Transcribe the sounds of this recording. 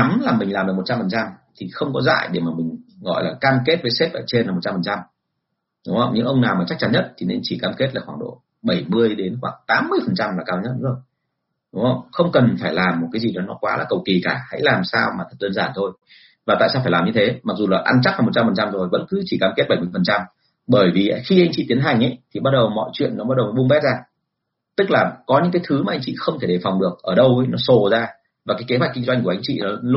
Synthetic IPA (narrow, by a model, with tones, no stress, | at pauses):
a˨˦mlaː˨˩mːï˨˩ŋ̟laː˨˩mɗ̚m̚˨˩t͡ɕa˧mfə˨˩nt͡ɕa˧mt̪ʰi˨˩xə˧wŋ͡mkɔ˨˦za̰ː˧˨jɗe˧˩wmaː˨˩mï˨˩ŋ̟ɣɔ̰˧˨jlaː˨˩kaː˧mke˦˥t̚vəː˨˦jse˦˥p̚ʔəː˧˩t͡ɕe˧nlaː˨˩m˨˩t̚t͡ɕa˧mfə˨˩t͡ɕa˧m | ɗʊ˨˦ŋ͡mhə̰˧wŋ͡mɲɨ̰˧˥ŋʔə˧wŋ͡mnaː˨˩wmaː˨˩t͡ɕa˦˥k̚t͡ɕa˨˦nɲə˦˥t̚t̪ʰi˨˩ne˧nt͡ɕi˧˩kaː˧mke˦˥t̚laː˨˩xwaː˧˩ŋɗo̰˧˨ | ɓə˧˩jmɨ˧əjɗe˨˦nxwaː˧˩ŋt̪aː˨˦mːɨ˧əjfə˨˩nt͡ɕa˧mlaː˨˩kaː˧wɲə˦˥t̚ɗŋ͡mzo˨˩j | ɗʊ˨˦ŋ͡mhə˧˩wŋ͡mxə˧wŋ͡mkə˨˩nfaː˧˩jlaː˨˩mːo˨˩t̚kaː˨˦zi˨˩ɗɔ˨˦nɔ˨˦kwaː˨˦la̰ː˨˩kə˨˩wki˨˩kaː˧˩ha̰˧˥jlaː˨˩msaː˧wmaː˨˩ə˨˩t̚ɗəː˧nzaː˧˩nt̪ʰo˧j | vaː˨˩a̰ː˧˨saː˧faː˧˩laː˨˩mɲɨ˧t̪ʰe˨˦ma˨˩k̚zu˨˩laː˨˩ʔa˧nt͡ɕa˦˥haː˨˩mo˨˩t̚t͡ɕa˧mfə˨˩nt͡ɕa˧mzo˨˩jvə̰˧˥nkɨ˨˦t͡ɕi˧˩kaː˧˩mkt̚ɓə˧˩jm˧˩fə˨˩nt͡ɕa˧m | ɓəː˧˩jvi˨˩ʔə˧˦xi˧ʔa˧ŋ̟t͡ɕḭ˧˨t̪i˨˦ənɦa˨˩ŋ̟ʔə˨˦jt̪ʰi˨˩ɓaː˧t̚ɗə˨˩wmɔ̰˧˨jt͡ɕwḭ˧˨ənːɔ˨˦ɓaː˧t̚ɗə˨˩wnɔ˨˦ɓu˧ŋ͡mɓɛ˦˥t̚zaː˧ | t̪ɨ˦˥k̚laː˨˩kɔ˨˦ɲɨ̰˧˥ŋkaː˨˦jt̪ʰɨ˨˦maː˨˩ʔa˧jŋ̟t͡ɕḭ˧˨xə˧wŋ͡mt̪ʰe˧˩ɗe˨˩fa˨˩wŋ͡mɗɨ˨˩ək̚ʔəː˧˩ɗə˧wə˨˦jnɔ˨˦so˨˩zaː˧ | vaː˨˩kaː˨˦jke˨˦ɦwa˨˩k̟ki˧ŋ̟zwa˧ŋkʔa˧jŋ̟t͡ɕḭ˧˨ɔ˨˦